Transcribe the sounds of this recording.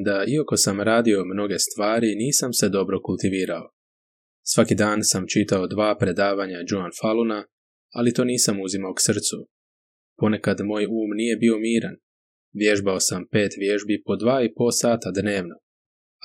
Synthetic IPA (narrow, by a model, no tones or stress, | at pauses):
d̪aiako̞samɾaːd̪io̞mno̞ɡe̞st̪ʋaːɾiniːsamse̞d̪o̞bɾo̞kulˠt̪iʋiːɾao̞ | sʋakid̪aːnsamt͡ʃit̪aod̪ʋaːpɾe̞d̪aːʋaɲad͡ʒuanfalˠuna | alit̪o̞ːniːsamuzimaoksr̩t̪su | po̞ne̞kad̪mo̞ːjuːmnije̞bio̞miːɾa̰n | ʋje̞ʒbao̞sampe̞ːt̪ʋje̞ʒbipo̞d̪ʋaːipo̞saːt̪ad̪ne̞ːʋno